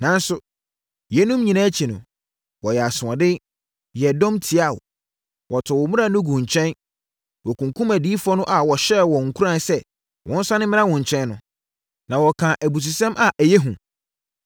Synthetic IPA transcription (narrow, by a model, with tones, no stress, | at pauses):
nã˨n˦sʊ˨ | jɛ˨˦nũ˦mɲĩ˨nãː˦t͡ɕʰi˨nʊ̃˨ | wɔ˨jɛ˨a˨sʊ̃˨ã˨dɪ˦ | jɛ˨dɔ̃˦mtʰi˨a˦˨w | wʔɔ˨tʰɔ˨wɔ˨mũ˦ɾa˨nʊ̃˦ɡũ˨ɲ˨t͡ɕʰɛ̃˦n | wɔ˨kʰũ˨ŋkʰũ˦mæ˨di˨˦fʊ˦ɔ˦nʊ̃˦ʔa˨wɔ˨ɕɛ˦˨wɔ̃˨ŋ̩˨kʰu˦ɾã˨sɛ˦ | wʔɔ̃˦n̩˦sã˦nɪ̃˦mɪ̃˦ã˦wɔ̃˨ɲ̩˨t͡ɕʰɛ̃˦nːʊ̃˨ | nã˨wɔ˨kʰã˨ʔæ˨bu˨s̬u˨sɛ̃˦mʔa˨ʔæ˨jɛ˦ɦũ˨